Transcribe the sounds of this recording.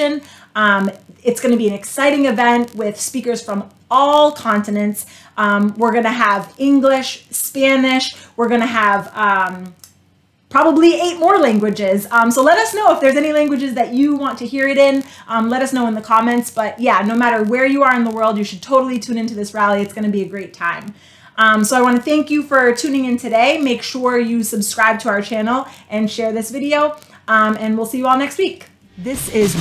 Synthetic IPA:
ɨ̃n | ʌ̃mɨtsɡ̥ʌnɨbiɨ̃nɨksaɪɾɪ̃ŋɨvɛ̃ntwɪð̥spikə˞z̥fɹʌ̃m | ɔlˠkʰɑ̃ntɨnɨ̃nts | ʔmwɪɹɡʌnɨəvɪ̃ŋɡlɪʃspænɪʃwəɹɡʌnɨəvʌ̃m | pʰɹ̥ɑbəblieɪt̚mɔɹlæ̃ŋɡwɨd͡ʒɪzʌ̃msoʊlɛɾʌsnoʊəfðə˞zɛnilæ̃ŋɡwɨd͡ʒɨzðɨt͡ʃɨwɑ̃ntʰɨhiɹɨɾɪ̃nʔʌ̃mlɛɾʌsnoʊə̃nðɨkʰɑmɛ̃ntsb̥ʌt̚jænoʊmæɾə˞wə˞jɨə˞ɨ̃nðəwɜ˞lˠdjɨʃɨd̚tʰoʊɾl̩ˠitʰʉ̃nɪ̃ntʉðɪsɹælˠiɨtsɡ̥ʌnɨbiɨɡɹeɪtʰãɪ̃m | ʔʌ̃msoʊaɪwɑ̃nɨθæ̃ŋkjɨfə˞tʰʉ̃nɪ̃ŋɨ̃ntʰɨɾeɪmeɪkʃʊɹjɨsɨbskɹaɪb̚tʰəaʊə˞t͡ʃʰænl̩ˠʔɨ̃nʃɛɹðɪsvɪɾioʊ | ʌ̃mɨ̃nwilˠsijɨɔlˠnɛkst̚wik | ðɪsɪz

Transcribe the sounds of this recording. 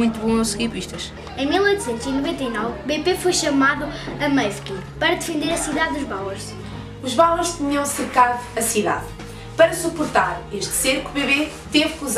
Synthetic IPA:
ũj̃t̪uβõɐsɣiɾpiʃt̪ɐʃ | ɐ̃j̃milˠojt̪u̥sẽnt̪uzinuvẽnt̪ɐinɔvbepefojʃɐmaðuɐmɐfkipɐɾɐðɨfẽnd̪eɾɐsiðaðːuʒβawɐɾʃ | uʒβawʁuʃt̪ɨɲiɐ̃w̃sɨɾkaðuɐsiða̰ð | pɐɾɐsupuɾt̪aɾeʃt̪seɾkuβeβe | t̪evkuz

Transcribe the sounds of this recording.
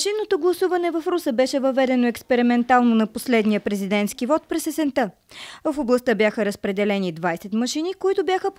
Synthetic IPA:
mʃinːot̪oɡlˠɐsuvɐnɛvɐfɾusəbɛʃɛvɐvɛd̪ɛnoɛkspɛɾimɛnt̪alˠnonɐposlɛd̪nijəpɾɛzid̪ɛnt̪skivɔt̪̚pɾɛsɛsɛnt̪ɤ | vɐfoblˠɐst̪əbjaxəɾəspɾɛd̪ɛlɛnid̪vajsɛt̪mɐʃinikoit̪obʲjaxəp

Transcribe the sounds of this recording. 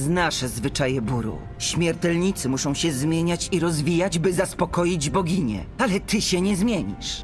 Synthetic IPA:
znaʂɛzvɘt͡ʂajɛbuɾṵ | ɕmʲjɛɾt̪ɛlɲit̪sɘmuʂɔ̃w̃ɕɛzmʲjeɲat͡ɕiɾɔzvʲijad͡ʑbɘzaspɔkɔjid͡ʑbɔɡʲiɲɛ̰alɛt̪ɘɕɛɲɛzmʲjeɲḭʂ

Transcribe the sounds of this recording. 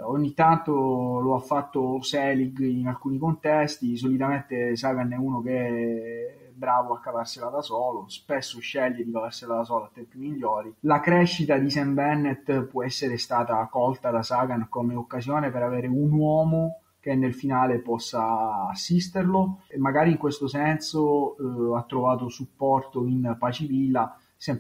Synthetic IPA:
oɲːit̪ːant̪oloafːat̪ːosɛːliɡinalkuːnikont̪ɛst̪is̬olit̪ament̪esaːɡanɛuːnokeɛ | ɛbːɾaːvoakːavarselad̪asɔːlospɛsːoʃːɛʎːed̪ikavarselad̪as̬ɔːloat̪ːɛmpomiʎːɔːɾilakɾɛʃːit̪ad̪isɛmbɛnːet̪pwɔɛsːeɾest̪aːt̪akɔlt̪ad̪asaɡankomeokːazjɔːnepeɾavɛːɾeunwɔːmo | k̟enːelfinaːlepɔsːaːsːist̪eɾlomːaɡaːɾiŋkwest̪osɛnsoat̪ːɾovaːt̪osupːɔrt̪oinpat͡ʃivilːa | sɛm

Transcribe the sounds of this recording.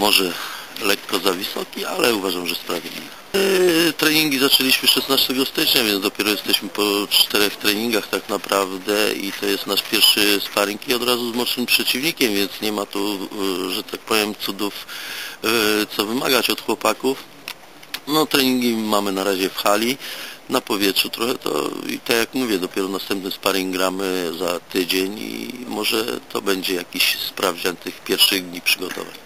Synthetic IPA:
mɔʐɛlɛkːɔzavʲisɔkʲialɛuvaʐamʐɛspɾavʲjed̪ʲlʲḭvɛ | t̪ɾɛɲiŋɡʲizat͡ʂɛlʲiɕmɘʂɛsnast̪ɛɡɔst̪ɘt͡ʂɲavʲjɛnd̪ɔpʲjɛɾɔjɛst̪ɛɕmɘpɔt͡ʂt̪ɛɾɛxt̪ɾɛɲiŋɡaxt̪aknapɾʔavd̪ɛḭt̪ɔjɛst̪naʂpʲjɛɾʂɘsp̪aɾkʲiɔd̪ɾazuzmɔʂɘmpʂɛt͡ɕivɲikʲɛmvʲjɛnt̪sɲɛmat̪uʐɛt̪ak̚pɔvʲjɛmt̪sud̪uf | t̪sɔvɘma̰ɡat͡ɕɔt̪xwɔpakuf | nɔt̪ɾɛɲiŋɡʲimamɘnaɾaʑɛfxalʲinapɔvʲjɛtʂut̪ɾɔxɛt̪ɔ̰ḭt̪akjakmuvʲjɛd̪ɔpʲjɛɾɔnast̪ɛmpnɛspaɾiŋɡɾamɘzat̪ɘd͡ʑeɲḭmɔʐɛ̰t̪ɔ̰bɛɲd͡ʑɛjakʲiɕspɾavd͡ʑat̪ɘxpʲjɛɾfʂɘɣd̪ɲipʂɘɡɔt̪ɔ̰va̰ɲ

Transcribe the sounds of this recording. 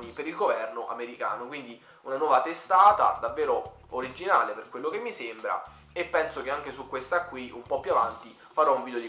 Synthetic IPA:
nipeɾilɡovɛrnoʔameɾika̰ːnokwind̪i | unanwɔːvat̪est̪aːt̪a̰d̪avːeːɾo | oɾid͡ʒːinaːleperkwelːokemːisembɾa̰ | epːɛnsok̟eaŋk̟esukːwest̪akːwiʔumpɔpːjuavant̪i | faɾɔuɱvid̪jod̪i

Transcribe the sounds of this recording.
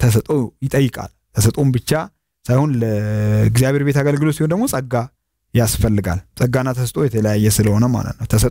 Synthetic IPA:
t̪ʰəs̬ət̪ʼo̞jɪt̪ʼəjːɨkʼa̰l | t̪ʰəsət̪ʼombɨt͡ʃːa | sajhunləɡzijaβe̞ɾbe̞t̪aɡəlɡɨlosihond̪əɡmot͡sʼəɡːa | jasfəlːɨɡa̰lsʼəɡanːat̪ʰəsət̪ʼo̞jɛt̪ʰələjajːɛsɨləho̞nəma̰lə̰t̪nəwt̪ʰəsə

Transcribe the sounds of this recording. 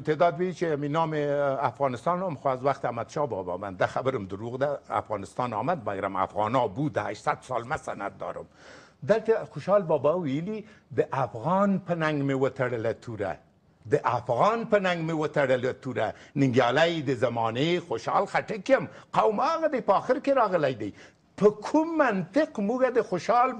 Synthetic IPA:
t̪ed̪ɑd̪wit͡ʃeaminɑmeafɣɑnɪst̪ɑnamxoazwaxt̪amad̪ʃɑbɑbɑ̰band̪axabəɾəmd̪əɾoɣd̪aa̰fɣɑnɪst̪ɑnɑmad̪̚baɡɾa̰ma̰fɣɑnɑbud̪əa̰ʃsat̪sɑlmasa̰na̰t̪̚d̪ɑ̰ɾə̰m | d̪əlt̪axoʃɑlbɑbɑwijəlid̪əʔafɣɑnpənaŋɡmewət̪aɽəlat̪ʰuɾa̰ | d̪əʔafɣɑnpənaŋɡmewət̪aɽəlat̪uɾanɪŋɡjɑlajd̪əzamɑnexoʃɑ̰lxaʈəkjɪmqawmɑɣad̪ajpəɑxɪɾkeɾɑɣəlajd̪aj | pəkʰumːant̪ɪqmuɡad̪əxoʃɑl

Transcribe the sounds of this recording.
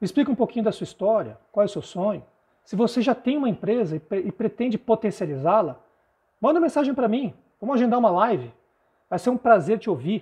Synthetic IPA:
ɪsplikɐũpokĩɲʊd̪ɐsuɐist̪ɔɾiɐkwawɛsewsõɲʊ | sɪvoseʒat̪ẽj̃ũmɐẽpɾezɐɪɪpɾet̪ẽnd͡ʒɪpot̪ẽsializalɐ | mɐ̃nd̪ʊũmẽsaʒẽj̃pɾɐmĩ | vɐ̃mʊaʒẽnd̪aɾũmɐlajvɪ | vajseɾũpɾazeɾt͡ʃɪowviɾ

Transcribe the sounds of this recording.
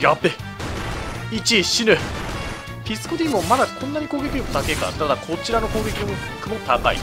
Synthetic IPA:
jʲapːe | it͡ɕiɕinɯ | pʲisɨ̥kod̪ʲimomad̪akʰõ̞nːaɲ̟ikoːɡe̞kʲimot̪ake̞ka̰t̪ad̪akʰo̞t͡ɕiɾano̞ko̞ːɡe̞kʲim | kɯ̟mo̞t̪aka̰ḭ

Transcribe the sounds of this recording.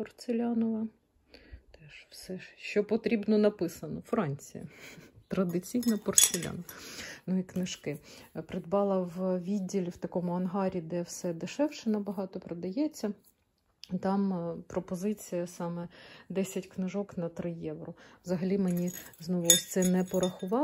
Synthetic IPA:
pɔrt̪selʲɑnɔʋɐ | t̪ɛʃwsɛʃt͡ʃɔpɔt̪ɾʲibnɔnɐpɪsɐnɔfɾɑnʲt͡sʲḭjɐ̰t̪ɾɐd̪ɪt͡sʲijnɐpɔrt̪selʲa̰nɔʋɐnuiknɪʃkɪpɾɪd̪bɑlˠɐwʋʲidʲːilʲiwt̪ɐkɔmʊɐnɦɑɾʲid̪ɛwsɛd̪ɪʃɛwʃɛnɐbɐɦɑt̪ɔpɾɔd̪ɐjɛt͡sʲːɐ | t̪ɑmpɾɔpɔzɪt͡sʲijɐsɑmɛd̪ɛsʲɐtʲknɪʒɔknɐt̪ɾɪjɛʋɾɔwzɐɦɐlʲimenʲiznɔʋʊɔsʲt̪sɛnɛpɔɾɐxʊʋɑ

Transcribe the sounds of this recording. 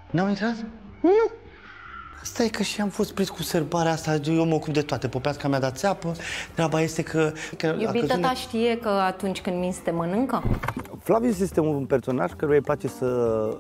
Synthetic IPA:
nawint̪ɾat̪ | nu | ast̪aje̞kəʃiamfo̞st̪̚pɾit̪kuserbaɾeast̪ajewməokup̚d̪e̞t̪oat̪epopeaskamʲjad̪at̪seapət̪ɾeabaje̞st̪e̞kʰəkəjoabiəəut̪aʃt̪ije̞kəat̪unt͡ʃʲkɨnd̪minst̪emənɨŋkəflavius̬jest̪eunperso̞na̰ʒkaɾujejplat͡ʃe̞sə

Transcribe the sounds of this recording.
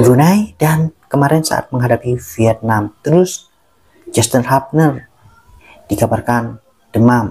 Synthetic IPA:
bɾunajdankəmaɾɛnsa̰ʔa̰t̪̚məŋɦadapifiɛt̪̚namt̪əɾʊs | d͡ʒast̪ənɦap̚nər | d̥iɡabarkan | d̥əmam

